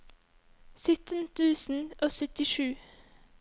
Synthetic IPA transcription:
sʏt̪ən̩t̪ʰʉːsn̩ʔoːsœt̪ɪʃʉː

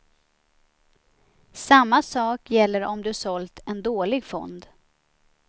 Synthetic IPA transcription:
samːasɑːkjɛlːəɾɔmd̪ɵsɔlt̪ɛnd̪oːlɪɡfɔ̰nd̪

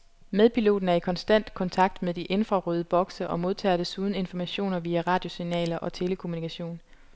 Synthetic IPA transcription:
meðˠpʰilo̝̰ːd̥n̩æɐikʰɒ̽nsd̥æn̰d̥kʰɒ̽nt͡sʰɑ̈ɡ̥̚d̥meðˠd̥iʔe̝nfʁɑ̈ʁyːð̞ˠəb̥ɒ̽ɡ̥səʔɒ̽mo̝ð̞ˠt͡sʰɛ̰ːd̥esuːð̞ˠn̩e̝nfɒmæɕo̝̰ːnɐʋiːæʁɑ̈ːd̥jo̝sinɛ̰ːlɐʔɒ̽t͡sʰe̝ləkʰo̝munikʰæɕo̝̰ːn

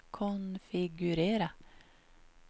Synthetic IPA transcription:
kʰʊnfɪɡʉɾeːɾə

